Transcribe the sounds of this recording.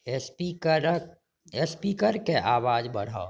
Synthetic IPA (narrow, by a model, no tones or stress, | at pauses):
iɾ | ɛspiːkəɾkeʔaːʋaːd͡ʒbɐɽ̤aːo